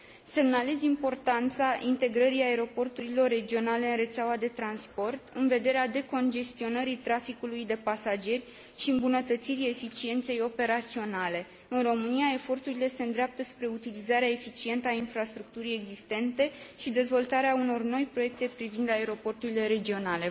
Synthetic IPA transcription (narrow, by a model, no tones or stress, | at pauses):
se̞mnalezimpo̞rt̪ant̪saʔint̪e̞ɡɾəɾiae̞ɾo̞po̞rt̪uɾilo̞rːe̞d͡ʒio̞nale̞ɨnre̞t̪seawad̪e̞t̪ɾanspo̞rt̪ɨnve̞d̪e̞ɾead̪e̞ko̞nd͡ʒe̞st̪io̞nəɾit̪ɾafikulujd̪e̞pasad͡ʒe̞rʲ | ʃiɨmbunət̪ət̪siɾie̞fit͡ʃie̞nt̪se̞jo̞pe̞ɾat̪sio̞nale̞ | ɨnro̞mɨnijae̞fo̞rt̪uɾile̞se̞ɨnd̪ɾeap̚t̪əspɾe̞ut̪ilizaɾeae̞fit͡ʃie̞nt̪əainfɾast̪ɾuk̚t̪uɾie̞ɡzist̪e̞nt̪e̞ʃid̪e̞zvo̞lt̪aɾeauno̞rno̞jpɾo̞je̞k̚t̪e̞pɾivind̪ae̞ɾo̞po̞rt̪uɾile̞ɾe̞d͡ʒio̞nale̞